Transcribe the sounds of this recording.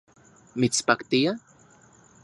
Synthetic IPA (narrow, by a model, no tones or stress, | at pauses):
mit̪spakt̪ija